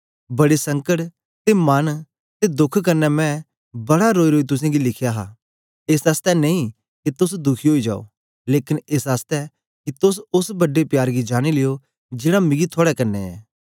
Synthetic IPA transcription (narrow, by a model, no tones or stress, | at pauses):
bɐɽesɐ̃ŋkəʈ | t̪emɐn | t̪ed̪ʊkʰkɐɾnɛmɛ̃ | bɐɽaɾoːiɾoːit̪ʊsẽɡilɪkʰjaɦaː | eːsɐst̪ɛneĩ | kit̪ʊsd̪ʊkʰiɦoːid͡ʒa̰ːo̰ | leːkɪneːsɐst̪ɛ | kit̪ʊsʊsbɐɖepjaːɾɡid͡ʒaːɽ̃ileːo | d͡ʒɪːɽamɪ̃ɡit̪ʰoːɽɛkɐɾnːɛɛ̰ː